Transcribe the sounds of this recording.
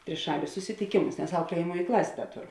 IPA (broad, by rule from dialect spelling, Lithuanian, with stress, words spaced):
tʲrʲɪˈʃɑːlʲʊs sʊsʲɪtʲɪˈkʲeːmʊs nʲɛs ˈɐʊklʲiɛjɛmuɔj ˈklˠɑːsʲeː ˈdɐ ˈtoːˌrʊ